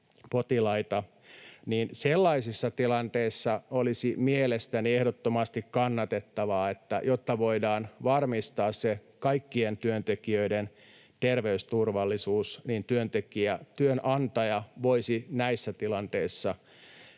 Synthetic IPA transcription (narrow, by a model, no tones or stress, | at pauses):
pot̪ilɑit̪ɑ | niːnselːɑisisːɑt̪ilɑnt̪eisːɑolisimielest̪æniehdot̪ːomɑst̪ikkɑnːɑt̪et̪ːɑʋɑːet̪ːæ̰jot̪ːɑʋoidɑːnʋɑrmist̪ɑːsse | kɑikːient̪yønt̪ekiøiden | t̪erʋeyst̪urʋɑlːisuːsniːnt̪yønt̪ekiæt̪yønʔɑnt̪ɑjɑʋoisinæisːæt̪ilɑnt̪eisːɑ